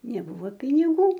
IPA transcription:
nʲɛˈbʊʋoː pʲɪnʲɪˈɡuː

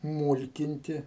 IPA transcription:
ˈmuːlʲkʲɪnʲtʲɪ

